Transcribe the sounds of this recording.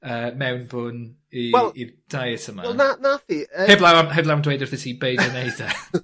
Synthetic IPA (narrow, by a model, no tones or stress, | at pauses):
əːmɛwnbʊn | iwɛid̥ajətəmananafiəɛblˠawanɦɛblawndwejdɪrθɪtʰibejdənejda